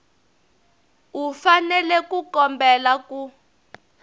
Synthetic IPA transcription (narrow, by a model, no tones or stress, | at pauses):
ufanɛlɛkukɔmbɛlaku